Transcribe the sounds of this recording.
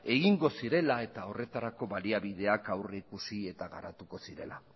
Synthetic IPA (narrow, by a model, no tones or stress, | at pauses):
e̞ɣiŋɡo̞siɾe̞lae̞t̪ao̞re̞t̪aɾako̞βaliaβið̞e̞akawreikusie̞t̪aɣa̰ɾat̪uko̞siɾe̞̰la̰